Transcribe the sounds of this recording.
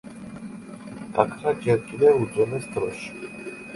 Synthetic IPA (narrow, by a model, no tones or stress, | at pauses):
t̪ʼakʰɾad͡ʒɛɾtʼilɛuzɔmɛsd̪ɾɔ̰ʃi̥